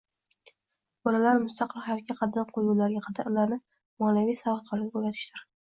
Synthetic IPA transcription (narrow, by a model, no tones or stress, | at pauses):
bɒlalaɾmʊst̪ɑqʰɨlˠhajɒt̪̚kʲaqʰɑd̪ɪnqʰojuwlaɾɡʲaqʰɑd̪aɾʊlaɾnɪ | mɒnavijsavɑt̪̚qʰɒɾɡ̪ʲaboɡat̪ʰɪ̥ʃt̪ɪɾ